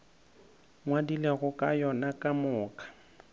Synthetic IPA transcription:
ŋwadileɣʊkʼajɔnakʼamʊːkʼḁ

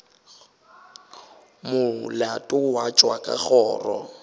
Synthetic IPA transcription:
mʊlatʼʊwat͡ʃʼwakʼa̰ɣɔːrɔ̰

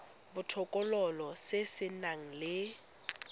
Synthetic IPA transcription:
bʊtʰɔkʼɔlɔlɔsesɪnaŋ̩lɪ

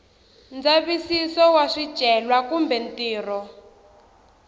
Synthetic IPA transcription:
nd͡zaβisisɔwaʂid̥ʒ̥ʱɛlwakumbɛn̩tiːrɔ

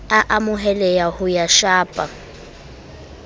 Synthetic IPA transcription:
aʔamʊɦɛlɛjahʊjaʃaːpʼa

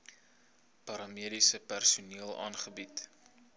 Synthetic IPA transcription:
pɐɾɑmiəɾisəpærsuniəlˠʔɑ̰ːnχəbit

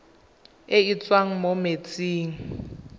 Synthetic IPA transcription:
ɪit͡sʼwaŋ̩momet͡sʼiːŋ̩

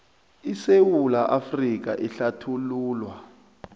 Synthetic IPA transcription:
isewulaʔafrik̬ʼa̰ʔiɬatʰuluːlwa

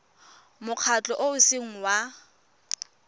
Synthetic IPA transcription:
mʊq͡χʰat͡ɬʼɔʔoʊsɪŋ̩wa

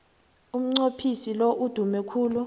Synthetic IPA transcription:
um̩ŋ͡ǀopʰisiloʔud̥ʱumɛkʰuːlu

